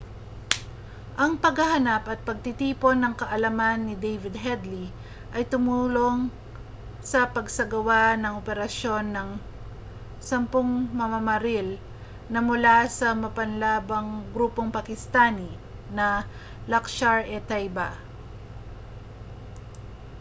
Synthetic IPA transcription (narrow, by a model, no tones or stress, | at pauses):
ʔɐŋpɐɡhɐhɐnapʔɐt̪̚pɐɡ̚t̪ɪt̪iːpo̞nːɐŋkɐʔɐlɐmanːɪd̪ejvɪd̪ɦɛd̪li | ʔɐjt̪ʊmuːlo̞ŋ | sɐpɐɡsɐɡɐwanɐŋʔopɛɾɐʃo̞nːɐŋ | sɐmpoŋmɐmɐmɐɾil | nɐmʊlasɐmɐpɐnlaːbɐŋɡɾuːpo̞ŋpɐkɪst̪ani | nɐ | lɐkʃaɹɛt̪ajbɐ